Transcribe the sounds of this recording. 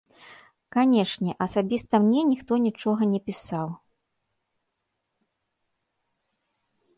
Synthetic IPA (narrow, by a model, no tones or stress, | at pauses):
kanʲɛʂnʲɛʔɐsabʲist̪ɐmnʲɛnʲixt̪ɔnʲit͡ʂɔɣɐnʲɛpʲisaw